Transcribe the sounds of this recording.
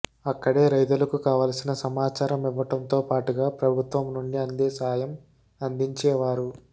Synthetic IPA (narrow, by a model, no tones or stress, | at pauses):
ɐkːɐɽeːɾɐjt̪̬ulɐkukaːʋaːlɐsinɐsɐmaːt͡ʃaːɾɐmiʋːɐʈɐmt̪o̞ːpaːʈuɡaːpɾɐbʱut̪ʋɐmnuɳɖiɐnd̪eːsaːjɐm | ɐnd̪iɲt͡ʃɛːʋaːɾu